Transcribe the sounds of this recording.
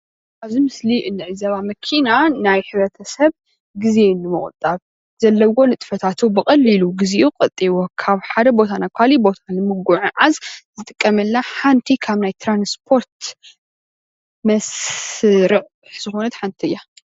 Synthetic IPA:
ʔaβzimɨsliʔɨnːɨʕɨzɐβamɐkʰinanajħɨβɾɐt̪ʰɐsɐβ | ɡize̞nɨmɨ̰χʼt̪ʼːaβ | zɐlːɐwo̞nɨt̪ʼfɐt̪ʰat̪ʰubɨkʼɐlːiluɡizeʔuqʼɐt̪ʼːiwokʰaβħad̪ɐbo̞t̪ʰanakʰalibo̞t̪ʰanɨmɨɡuʕuʕazzɨt̪ʼɨkʼːɐmɨlːaħant̪ʰikʰaβnajt̪ʰɾanspʰo̞ɾt̪ | mɐs | ɾɨʔʼ | ħzɨxo̞nɐt̪ħant̪ʰiɨjːa

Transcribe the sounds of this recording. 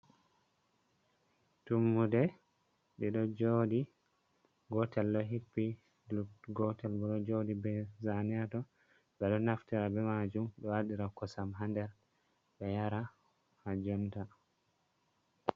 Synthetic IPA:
tumːudɛ | ɗiɗɔd͡ʒoːdi | ɡɔtɛlɗɔɦipːi | luɡɔtɛlbɛɗɔd͡ʒodibɛzanɛatɔ | bɛɗɔnaftiɾabɛmad͡ʒumɗɔwaɗiɾakɔsamɦandɛɾ | bɛjaɾa | had͡ʒɔnta

